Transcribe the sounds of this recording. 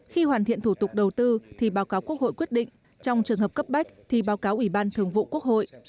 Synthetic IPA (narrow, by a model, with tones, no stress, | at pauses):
xi˧hwaː˨˩nt̪ḭ˧˨ənt̪ʰu˧˩t̪ʊ˨˩k͡p̚ɗə˨˩wt̪ɨ˧t̪ʰi˨˩ɓaː˨˦wkaː˨˦wku˦˥ək̚ho̰˧˨kwi˦˥ət̚ɗḭ˧˨ŋ̟ | t͡ɕɔ˧wŋ͡mt͡ɕɨ˨˩əŋhə˨˩p̚kə˦˥p̚ɓa˦˥k̚t̪ʰi˨˩ɓaː˨˦wkaː˨˦wʔi˧˩ɓaː˧nt̪ʰɨ˨˩əŋvṵ˧˨ku˦˥ək̚ho̰˧˨jʔ